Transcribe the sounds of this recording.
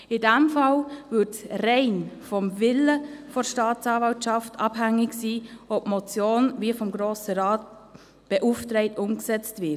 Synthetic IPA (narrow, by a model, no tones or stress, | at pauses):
ɪdæmfɑlvʏtsrɛɪnfɔmvɪləfɔɾʃtɑːt͡sɑːvɑʊtt͡ʃɑftʰɑb̥hæŋɪɡsiːɔpmɔt͡sjoːnvifɔmɡɾoːsəɾɑːt̚ | b̥ɛʔuftɾɛɪtʊmksɛt͡stvɪ